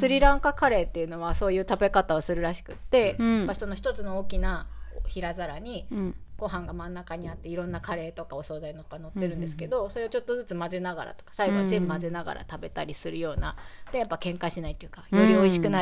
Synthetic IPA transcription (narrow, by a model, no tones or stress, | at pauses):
sɨɾʲiɾãŋkakaɾe̞ːt̪ːe̞jɯ̟no̞βaso̞ːjɯ̟ːt̪abe̞kat̪ao̞sɨɾɯ̟ɾaɕi̥kɯ̟t̪ːe̞japːaso̞no̞çʲi̥t̪o̞t͡sɨno̞oːkʲinaoçiɾazaɾaɲ̟iɡ̥o̞ɦãŋɡamãnːakaɲ̟iat̪ːe̞iɾõ̞nːakʰaɾe̞ːt̪o̞kao̞so̞ːzaino̞hoɡano̞t̪ːe̞ɾɯ̟̃nd̪e̞s̬ɨ̥ke̞d̪o̞so̞ɾe̞ot͡ɕo̞t̪ːozɨt͡sɨmaze̞naɡa̰ɾa̰t̪o̞kḁsaiɡod͡ʑĩmːmaze̞naɡa̰ɾʔa̰t̪abe̞t̪aɾʲisɨɾɯ̟jo̞ːna̰d̪ejapːakẽ̞ŋkaɕinait̪ːojɯ̟kajo̞ɾʲio̞iɕi̥kɯ̟na